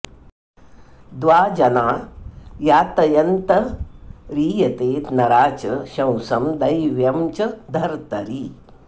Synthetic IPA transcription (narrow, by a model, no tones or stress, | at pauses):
d̪ʋaːd͡ʒɐnaːjaːt̪ɐjɐnt̪ɐ | ɾiːjɐt̪eːt̪nɐɾaːt͡ʃɐʃɐ̃w̃sɐmd̪ɐjʋjɐmt͡ʃɐd̪ʱɐɾt̪ɐɾi